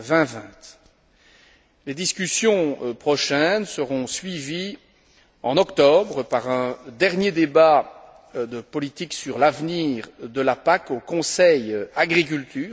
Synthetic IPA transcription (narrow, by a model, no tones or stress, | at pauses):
vɛ̃vɛ̃t̪ | led̪iskʲysjɔ̃pχɔʃɛnsəʁɔ̃sɥivi | ɑ̃nɔkt̪ɔbʁəpaʁɛ̃d̪ɛʁnjed̪eba | d̪əpɔlit̪iksyʁlavniːʁd̪əlapakokɔ̃sɛjaɡʁik̬ylt̪ʰyːʁ